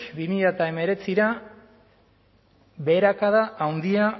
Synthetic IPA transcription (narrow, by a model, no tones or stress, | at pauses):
bimiʎat̪ae̞me̞ɾe̞t͡siɾa | βe̞ɾakaðaʔawnd̪ia